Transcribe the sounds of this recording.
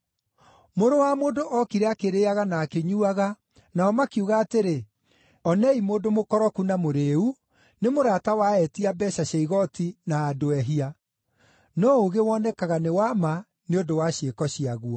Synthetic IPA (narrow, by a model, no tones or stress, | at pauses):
moɾowamoːdoʔɔkiɾɛakeɾeːaɣanaːkeɲuaɣa | naɔmakuɣaːteɾe | ɔnɛimoːdomokɔɾɔkunamoɾeu | nemoɾatawaɛtiabɛɕaɕɛiɣɔtinaːdoɛɦia | nɔoɣewɔnɛkaɣanewama | neondowaɕekɔɕiaɣuɔ